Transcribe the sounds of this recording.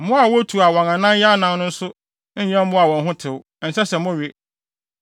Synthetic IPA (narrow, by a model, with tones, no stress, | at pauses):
mʊ̃˦a˨wɔ˦tʰu˨a˨wɔ̃˨ŋa˨nã˦jɛ˦nã˨n˦nʊ̃˦n̩˦sʊ˦ | ɲ̩˦ɲɛ̃˦m̩˦mʊ̃˦a˨wɔ̃˨nɦʊ̃˦tʰɪ˨w | ɛ˨sɛ˦sɛ˨mʊ̃˦ɥi˦